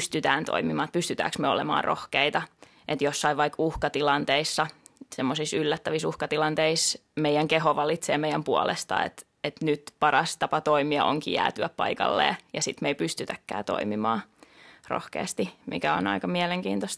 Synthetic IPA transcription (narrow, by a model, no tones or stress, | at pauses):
st̪yt̪æːnt̪o̰imimɑːt̪̚pyst̪yt̪æ̰ːksmøo̰lḛmɑ̰ːrʔo̰hkeit̪ɑ | ʔet̪josːɑiʋʋɑikuhkɑt̪ilɑnt̪eisːɑ | semːosisylːæt̪ːæʋisuhkɑt̪ilɑnt̪eismeijˑæŋkehoʋɑlit̪seːmeijæmpuolḛst̪ɑ̰ḛt̪ | et̪nyt̪pɑrɑst̪ɑpɑt̪oimiɑ̰ʔo̰ŋkḭjæ̰ːt̪yæppɑ̰ikɑ̰lːḛːjɑsit̪meipyst̪yt̪ækːæ̰ːt̪o̰imimɑ̰ːro̰hkḛːst̪imḭkæo̰nɑ̰ikɑmiɛleŋkḭːnt̪ost̪